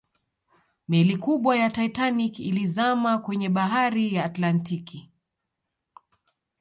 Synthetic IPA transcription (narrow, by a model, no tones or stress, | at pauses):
mɛlikuɓwajataitanikḭlizamakwɛɲɛɓaɦaɾijaːtlantiki